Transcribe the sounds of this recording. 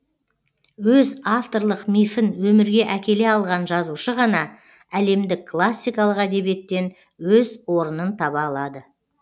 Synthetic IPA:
wɵzaft̪o̞ɾlˠəqmʲijfɪnwɵmɪɾɡʲe̞ʔækʲe̞le̞ɑlˠʁɑnʒɑzuʃəʁɑnɑ | æle̞md̪ɪkkʰːlˠasʲːijkɑlˠəqæd̪e̞bije̞t̪ːe̞n | wɵzwo̞ɾənənt̪ʰɑβɑːlˠɑd̪ə

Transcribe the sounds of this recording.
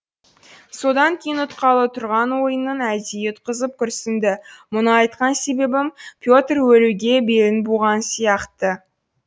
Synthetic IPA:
so̞d̪ɑŋkʲʰe̞jɪnʊt̪qʰɑlˠət̪ʰʊɾʁɑnwo̞jənːənæd̪ijet̪̚qʰəzəp̚kʲʰʏɾsɪnd̪ɪmʊnəɑjt̪qɑnse̞be̞bɪmpʲʰjot̪rwɵluɡʲe̞be̞lɪnbuʁɑnsijɑqt̪ə

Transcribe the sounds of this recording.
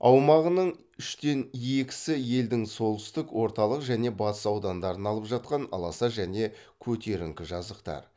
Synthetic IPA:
ɑwmɑʁənəɴ | ʏʃt̪e̞nje̞kʲɪ̥sɪje̞ld̪ɪŋso̞lˠt̪ʏ̥st̪ɪkwo̞ɾt̪ɑlˠəqʒæne̞bɑt̪əsɑwd̪ɑnd̪ɑɾənɑlˠəpʒɑt̪̚qɑnɑ̰lˠɑsɑʒæne̞ | kʲʰɵt̪e̞ɾɪŋkʲɪʒɑzəqt̪ɑ̰ɾ

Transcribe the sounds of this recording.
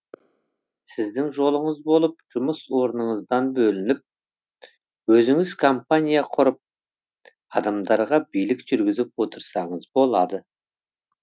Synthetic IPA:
sɪzd̪ɪŋʒo̞lˠəɴəzbo̞lˠəp̚ʒ̥ʊməswo̞ɾnəɴəzd̪ɑnbɵlɪnɪp̚ | wɵzɪŋɪzkʰompanʲijaqʰʊɾəp̚ | ɑd̪ɑmd̪ɑɾʁɑbijlɪkʒ̥ʏɾɡʲɪzɪp̚wo̞t̪ʰəɾsɑɴəzbo̞lˠɑd̪ə

